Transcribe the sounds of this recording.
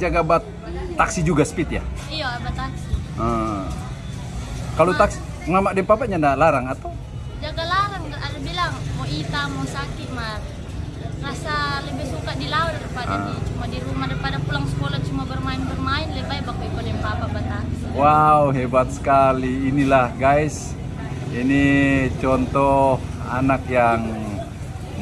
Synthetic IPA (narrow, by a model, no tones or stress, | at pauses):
d͡ʒaɡabat̪ː | aksid͡ʒuɡasə̥pit̪ja̰ | ijabat̪ːaksiʔə | kalot̪aksi̥ | mamaʔdɛmpapaɲandalaɾaŋat̪aw | d͡ʒaɡalaɾaŋdaadabilaŋmoit̪amosakimat̪̚ | rasaləbɛhsukadilaɔdaɾipaa̰t͡ʃumadiɾumadapadapulaŋsə̥kolat̪̚t͡ʃumabərmainbərmaɛnlɛbajbak̪̚uikɔdɛmpapabat̪a | wauɦɛbat̪̚sə̥kaliːnilahɡais | init͡ʃɔnt̪ɔh | a̰nak̚jaŋ